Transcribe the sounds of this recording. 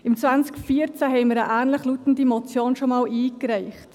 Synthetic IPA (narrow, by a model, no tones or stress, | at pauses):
ɪmt͡svant͡skfiəɾt͡sæɦɛɪməɾəʔæːnləχlutn̩dimɔt͡sjoːnʃomɑːlʔiːkɾɛɪχt